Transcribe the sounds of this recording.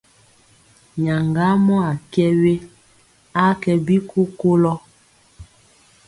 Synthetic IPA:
ɲa˨ŋɡa˨˦mɔ˦a˨kɛ˦we˦ | a˦kɛ˦bi˦ko˦ko˦lɔ˦

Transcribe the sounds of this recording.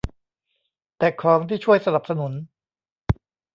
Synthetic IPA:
t̪ɛː˨˩kʰɔː˩˦ŋt̪ʰiː˥˩t͡ɕʰu˥˩əjsa˧na˨˩p̚sa˧nu˩˦n

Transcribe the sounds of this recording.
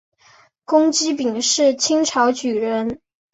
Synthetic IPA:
kʊ˥ŋt͡ɕi˥pi˨˩ŋʂɻ̩˥˩t͡ɕʰi˥ŋʈ͡ʂʰɑ˧˥ʊt͡ɕy˨˩ɻə˧˥n

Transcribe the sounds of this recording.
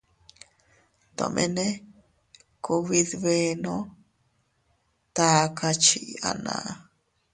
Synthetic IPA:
t̪õ̰˧mʔḛ̃˧nẽ˦ | kʰu˧βi˧ðβe˧nõ˦ | t̪a˦˧ka˧t͡ʃi˧a̰˧nã̰˨

